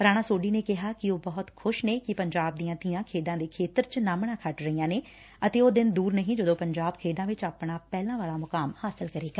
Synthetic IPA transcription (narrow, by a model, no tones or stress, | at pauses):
ɾaːɽ̃aːsoːɖiːneːkɪɦaːkɪoːbəɦʊt̪kʰʊʃneːkɪpəɲd͡ʒaːb̚d̪ijãːt̪ɪjãːkʰeːɖãːd̪eːkʰeːt̪əɾt͡ʃnaːmɳãːkʰəʈɾəiːãːneː | ət̪eːoːd̪ɪnd̪uːɾnəɦĩːd͡ʒəd̪õːpəɲd͡ʒaːbkʰeːɖãːʋɪt͡ʃaːpɳaːpɛːlãːʋaːlaːmʊkaːmhaːsɪlkəɾeːɡa